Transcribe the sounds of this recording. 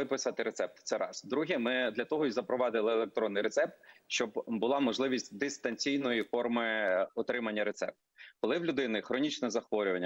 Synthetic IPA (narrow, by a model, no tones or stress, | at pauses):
ɪpɪsɐt̪ɪɾet̪sɛp̚t̪t̪sɛɾɑ̰sd̪ɾuɦʲimɪd̪lʲɐt̪ɔɦɔizɐpɾɔʋɑd̪ɪlˠɪelˠek̚t̪ɾɔnːɪjɾet̪sɛp̚t̪̚ʃt͡ʃɔbbʊlˠɑmɔʒlˠɪʋʲisʲtʲd̪ɪst̪ɐnʲt͡sʲijnɔjifɔrmɪɔt̪ɾɪmɐnʲːɐɾet̪sɛ̰p̚t̪kɔlˠɪwlʲʊd̪ɪnɪxɾɔnʲit͡ʃnɛzɐxʋɔɾʲʊʋɐnʲː